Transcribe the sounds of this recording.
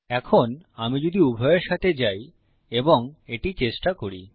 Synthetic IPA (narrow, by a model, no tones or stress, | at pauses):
ɛkʰonamid͡ʑod̪iubʱɔeɾʃat̪ʰed͡ʑaj | eboŋeʈit͡ɕeʃʈakoɾi